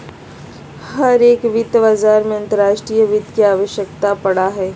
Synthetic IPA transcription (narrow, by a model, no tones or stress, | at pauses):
hɐɾeːkʋɪt̪baːzaːɾmẽɐ̃nt̪əɾaːʃʈɾijəʋɪt̪kiaːʋəʃjəkt̪apɐɽaɦɛː